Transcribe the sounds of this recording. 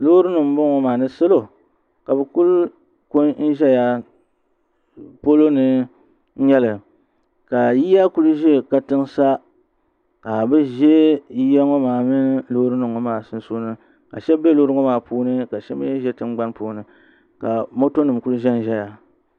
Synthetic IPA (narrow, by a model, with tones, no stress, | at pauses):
lo˦ɾɨ˦nɨ˨m˦bʊ˦ŋɔ˨maː˨nɨ˦sɨ˦lo˨ | ka˨bɛ˨ku˦l | ko˦nn̩˦ʒɛ˦ja˦ | po˦lo˦nɨ˨˦ | ɲɛ˦lɨ˨ | ka˨ji˦ja˦ku˦lʒɛ˦ka˨tɨ˦ŋsa˦ | ka˨bɨ˦ʒɛ˦ji˦ja˦ŋɔ˦maː˨mɨ˦lo˦ɾɨ˦nɨ˨ŋɔ˨maː˦˨sɨ˦n˦so˦nɨ˦ | ka̰˨ʃɛ˦be˦loː˦ɾɨ˦ŋɔ˦maː˨puː˦nɨ˦ka˨ʃɛ˦bɨ˦ʒɛ˦tɨ˦mɡ͡ba˦npuː˦˨nɨ˨ | ka˨mo˦to˦nɨ˨mku˦lʒɛ˦n̩˦ʒɛ˦ja˨